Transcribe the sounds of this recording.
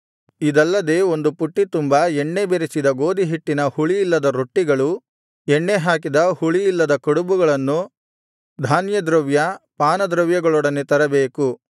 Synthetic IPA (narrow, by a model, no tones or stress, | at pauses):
id̪ɐlːɐd̪e̞ːo̞nd̪upuʈːit̪umbɐɛɳːebeɾisid̪ɐɡo̞ːd̪iɦiʈːinɐhuɭijilːɐd̪ɐɾoʈːiɡɐɭu | ɛɳːeɦaːkid̪ɐhuɭijilːɐd̪ɐkɐɽubuɡɐɭɐnːu | d̪ʱaːnjɐd̪ɾɐʋjɐpaːnɐd̪ɾɐʋjɐɡɐɭɔːɽɐnːet̪ɐɾɐbeːku